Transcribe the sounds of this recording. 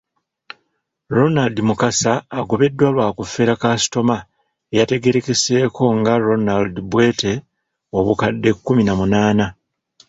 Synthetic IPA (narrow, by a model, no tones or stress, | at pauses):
ɾo̞naldimukasaːɡo̞βe̞dːwalwaːkufe̞ːɾakasi̥to̞ma | ejate̞ɡe̞ɾe̞ke̞se̞ːkʰo̞ŋɡaɾo̞naldibwe̞ːte̞ | o̞βukadːe̞kːuminamunaːna